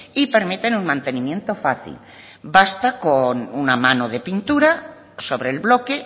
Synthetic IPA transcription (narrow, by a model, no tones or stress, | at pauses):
ipeɾmet̪enuŋmãnt̪e̞nĩmje̞nt̪ofaθḭl | bast̪akonunamanoðepint̪uɾa | soβɾeːlβlo̞ke